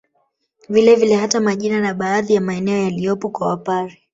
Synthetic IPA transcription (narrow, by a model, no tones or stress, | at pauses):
vilɛvilɛhatamaʄinanaɓaːðijamaɛnɛɔjalijɔpɔkwawapaɾi